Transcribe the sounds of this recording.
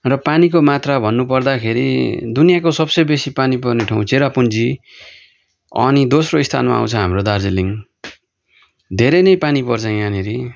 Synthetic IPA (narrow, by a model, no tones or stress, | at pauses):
rʌpanikomat̪rabʱʌnːupʌrd̪akʰeɾḭd̪unijakosʌbsʌjbesipanipʌrneʈʰaw̃t͡seɾapund͡zi | ʌ̰nid̪osroist̪ʰa̰nma̰a̰w̃t͡sʰʌɦamrod̪ard͡ziliŋ | d̪ʱeɾʌjnʌjpanipʌrt͡sʰʌ̃janeɾi